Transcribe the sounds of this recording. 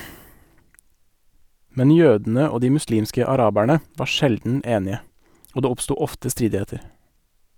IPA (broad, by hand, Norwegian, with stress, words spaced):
ˈmɛn ˈjøːdn̩ə ˈoː ˈdiː mʉˈsliːmskə ɑˈɾɑːbæɳə ˈʋɑː ˈʃɛldn̩ ˈeːnɪə ˈoː ˈdeː ˈɔpˌstuː ˈɔftə ˈstɾiːdɪˌheːtəɾ